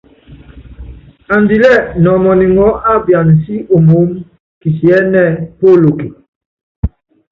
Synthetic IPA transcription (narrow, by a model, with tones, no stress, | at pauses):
a˨ndi˨lɛ˦˨nɔ˨mɔ˨ni˨ŋɔ˨˦ʔa˦˨bja˨n˨si˦o˨mo˨˦m | ki˨si˨ɛ˨˦nɛ˦˨po˦lo˨ki˨